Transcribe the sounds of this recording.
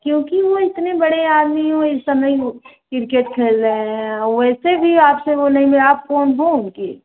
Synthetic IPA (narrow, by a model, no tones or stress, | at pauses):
kjõːkiʋoɪt̪nebɐɽeaːd̪miõɪsːɐməjkɪɾkeʈkʰeːlɾəẽɦɔʋɛːsebʱiaːpseʋonɐɦĩmɪlaːp̚foːnɦõke